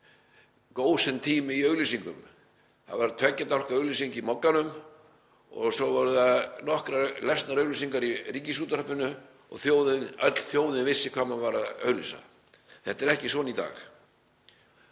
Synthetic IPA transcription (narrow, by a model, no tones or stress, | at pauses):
koːwsɪnt̪ʰiːmɪiœɥɣlisiŋkʏm | θa̰ðvaɾt̪ʰvɛcːat̪awr̥kaœɣlisiŋcimɔkːanʏm | ɔ̰ɣsɔvɔɾʏðaðnɔhkɾalɛst̪naɾœɣlisiŋkaɾiriːcɪsuːt̪aɾœpɪnʏ | ɔ̰ɣθjoːwðɪnœ̰t̪l̥θjoːwðɪnvɪsːɪkʰvaːmanvaɾaðœ̰ːɣlisa̰ | θɛht̪ɛɾɛhcɪsɔːnit̪a̰ːx